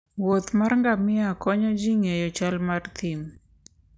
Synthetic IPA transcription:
wot̪marŋɡamɪakɔɲɔd͡ʒiŋejɔt͡ʃalmart̪ʰim

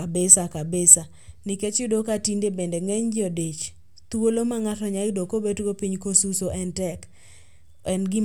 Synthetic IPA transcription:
abesakabesa | nɪket͡ʃɪdokatindebendeŋɛɲd͡ʒodet͡ʃ | t̪uolomaŋatɔɲadokobetɡopiɲkosusoʔɛntɛk | ɛnɡɪ

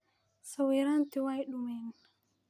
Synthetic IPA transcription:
sawiɾantiwajɗumɛn

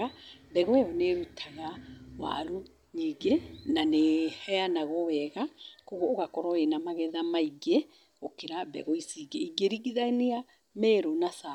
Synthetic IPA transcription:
abɛɣwɛɔneɾutʰaɣawa̰ɾu | ɲiːɡenanehɛanaɣɔwɛɣakoɣwɔoɣakɔɾɔenamaɣɛðamaiɡe | okeɾabɛ̰ɣɔisiɡeiɡeɾiɣiðania | mɛɾonasa

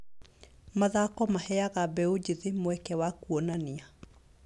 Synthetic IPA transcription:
maðakɔmahɛaɣabɛod͡ʑeðemowɛkɛwakuɔnania

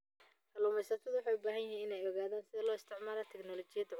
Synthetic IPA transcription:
hɐluːmɛjsɐt̪ʰɐðʊwʊħɑjʊbaːɦɐnjɪɦhiːnɪnɛjɔɣaːðaːnsɪðɐlɔːɪst̪ʰɪʕmaːlaːt̪ʰɛɡnɔlɔt͡ʃɪjɐd̪

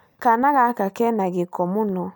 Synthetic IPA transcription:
kanaɣakakɛnaɡikɔmunɔ

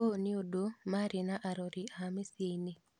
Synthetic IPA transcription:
oniodomaɾinaʔaɾoɾiamisini

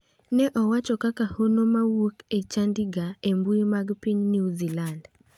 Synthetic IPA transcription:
nɛʔɔwat͡ʃɔkakahonomawuket͡ʃandiɡaembuimaɡpiɲniuziland

